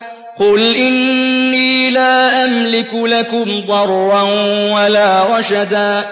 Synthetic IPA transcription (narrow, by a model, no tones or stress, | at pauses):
qʊlʔɪnːiːlaːʔamlɪkʊlakʊmd̪ˤɑɾˤːanwalaːɾɑʃad̪aː